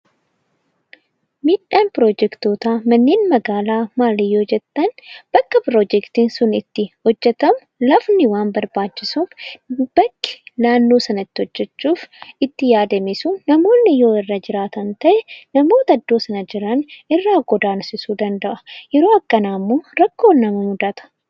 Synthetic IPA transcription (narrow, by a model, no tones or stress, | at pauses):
miːᶑːaːnpɾoːd͡ʒɛkt̪oːt̪aːmɐnːeːnmɐɡaːlaːmaːlɪjːo̞ːd͡ʒɛt̪ːɐnb̥ɐkːɐpɾoːd͡ʒɛkt̪iːnsʊnɪt̪ːɪhɔd͡ʒːɛt̪ɐmʊlɐfnɪwaːnbɐɾbaːt͡ʃːɪsuːfb̥ɐkːɪ̥laːnːoːsɐnɐɪt̪ːɪhɔd͡ʒːɛt͡ʃːuːfɪt̪ːɪjaːd̪ɐmɪsʊnːɐmo̞ːnːɪjo̞ːɪrːɐd͡ʒɪɾaːt̪ɐnt̪ɐʔɛnɐmo̞ːt̪ɐd̪ːo̞ːsɐnɐd͡ʒɪɾɐnɪrːaːɡɔd̪aːnsɪsuːd̪ɐnd̪ɐʔɐ̥jɛɾo̞ːɐkːɐnaːmːoːɾɐkːo̞ːnɐmɐmʊd̪ɐt̪ɐ̥